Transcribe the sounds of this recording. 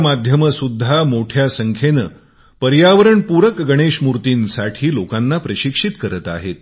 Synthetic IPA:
mad̪ʱjəməsud̪ʱːamoʈʰjasəŋkʰenə | pəɾjaʋəɾəɳpuɾəkɡəɽ̃eʂmuɾt̪iːnsaʈʰiːlokanːapɾəɕikʂit̪kəɾət̪a̰ɦet̪̚

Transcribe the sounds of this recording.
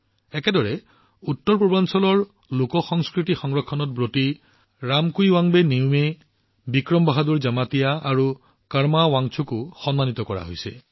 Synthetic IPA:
ɛkɛdɔɹɛ | utːɔɹpɹɔbansɔlɔɹ | lokɔxɔŋskɹitixɔŋɹɔkʰːɔnɔt̚bɹoti | ɹamkujwaŋbeniʊme | bikɹɔmbaɦaduɹzamatijaːɹu | kaɹmawaŋt͡ʃʰukʊxɔnmanit̪ɔkɔɹa̰ɦo̰jsɛ̰

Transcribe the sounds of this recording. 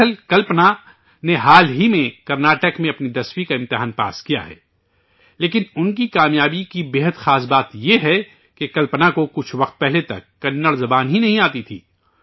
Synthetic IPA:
əlkɐlpna | neɦaːlɦimẽkɐɾnaːʈəkmẽɐpnid̪ɐswikaɪ̃mt̪ɪɦaːnpa̰ːskija̰ɦɛ̰ː | leːkɪnʊnkikaːmjaːbikibeːɦəd̪xaːs̬baːt̪jeɦɛ | kekɐlpnakokʊt͡ʃʰʋɐqt̪̚pɛɦlet̪ɐ̰kːɐnːəɽzɐbaːnɦinɐɦĩaːt̪it̪ʰḭː

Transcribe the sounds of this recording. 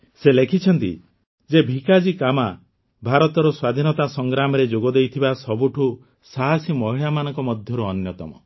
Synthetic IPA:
selekʰit͡ʃʰɔnt̪ḭ | d͡ʒebʱikad͡ʒikama | bʱaɾɔt̪ɔɾɔswad̪ʱinɔt̪asɔŋɡɾamɔɾed͡ʒoɡɔd̪ejt̪ʰibasɔbuʈʰu | saɦasimɔɦiɭamanɔŋkɔmɔd̪ʱjɔɾuɔnjɔt̪ɔmɔ̰

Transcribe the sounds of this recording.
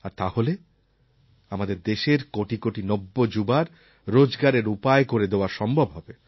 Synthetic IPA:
aɾt̪ahole | amad̪eɾd̪eʃeɾkoʈikoʈinobːod͡ʑubaɾ | ɾod͡ʑɡaɾeɾupaekoɾed̪eoaɾʃɔmbʱobɦɔbe

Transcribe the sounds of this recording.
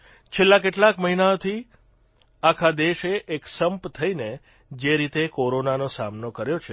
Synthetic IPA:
t͡ʃʰelːak̬eʈlakməɦinaot̪ʰi | akʰad̪eʃeʔeksəmpt̪ʰəine | d͡ʒeɾit̪ekoɾonanosamnokəɾjot͡ʃʰe

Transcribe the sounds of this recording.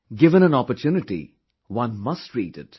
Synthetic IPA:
ɡɪʋə̃nə̃nɔpətʰjuːnɪʈḭ | wʌ̃nmʌstɹidɪ̰t

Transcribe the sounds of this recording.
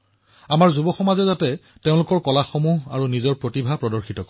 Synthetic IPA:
amaɹzubɔxɔmazɛzatɛ | teʊ̃lʊkɔɹkɔlaxomuɦa̰ɹunizɔɹpɹotibʱapɹɔdɔɹxitɔkɔ

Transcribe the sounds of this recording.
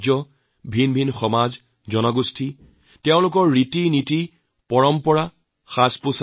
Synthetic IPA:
d͡ʒɔ | bʱinbʱinxɔmaz | zɔnɔɡustʰi | teʊ̃lʊk̬ɔɹːitiniti | pɔɹɔmpɔɹa | xaspus

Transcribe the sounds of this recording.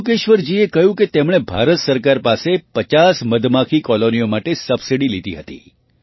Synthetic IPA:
uk̬eʃʋəɾd͡ʒiekəjũket̪emɽ̃ebʱaɾət̪səɾkaɾpasepət͡ʃasməd̪ʱmakʰikɔlonijomaʈesəbsiɽilid̪iɦət̪ḭ

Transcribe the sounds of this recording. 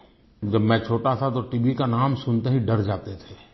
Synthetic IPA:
d͡ʒɐbmɛ̃t͡ʃʰoːʈat̪ʰat̪oʈiːʋikanaːmsʊnt̪eɦiɖɐɾd͡ʒaːt̪et̪ʰeː

